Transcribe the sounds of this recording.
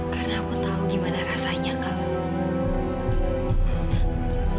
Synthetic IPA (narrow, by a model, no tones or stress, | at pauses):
karnakut̪auɡimanaɾasaɲaka